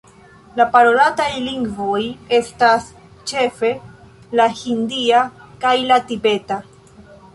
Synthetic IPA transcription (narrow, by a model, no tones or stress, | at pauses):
lapaɾo̞latajliŋɡvo̞je̞stas | t͡ʃe̞fe̞ | lahindiakajlatibe̞ta